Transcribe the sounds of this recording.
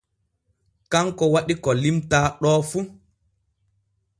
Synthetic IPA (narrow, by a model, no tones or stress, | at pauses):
kaŋkɔwaɗikɔlimtaːɗɔːfu